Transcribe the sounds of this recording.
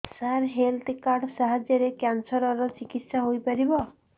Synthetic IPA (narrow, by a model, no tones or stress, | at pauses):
saɾɦelt̪kaɾɖsaɦad͡ʒjɔɾekjansɔɾɔɾɔt͡ʃikit̪saɦojpaɾibɔ